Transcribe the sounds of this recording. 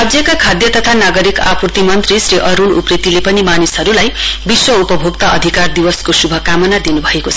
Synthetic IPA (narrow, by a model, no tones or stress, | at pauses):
ʌd͡zjʌkakʰad̪jʌt̪ʌt̪ʰanaɡʌɾika̰purt̪imʌnt̪risɾiʔʌɾunṵprit̪ilepʌnimanisɦʌɾulajbiswʌupʌbʱoɡt̪aʌd̪ʱikard̪iwʌskosubʱʌkamʌnad̪inubʱʌeko